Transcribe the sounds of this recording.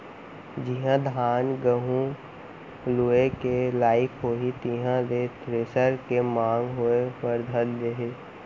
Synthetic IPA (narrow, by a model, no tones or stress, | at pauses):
d͡ʒiɦãd̪ʱaːnɡəɦũ | luekelaːɪkʰɦoːɦit̪iɦãlet̪ɾeːsəɾkemãːŋɡɦuepəɾd̪ʱəld̪eɦeː